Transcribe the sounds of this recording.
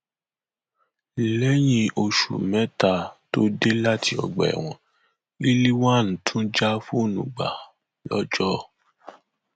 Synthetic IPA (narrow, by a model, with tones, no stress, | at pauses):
lɛ˦j̃ĩ˧o˧ʃṵ˨mɛ̃˨˦ta˧˨to˦de˦la˦ti˦ɔ̰˨ɡ͡bɛ˨w̃ɔ̃˨ | i˦li˦wa˦˨n̩˨tʰũ˦d͡ʒa˦fu˦o˦˨nũ˨ɡ͡ba̰˨ | lɔ̰˦d͡ʒɔ˦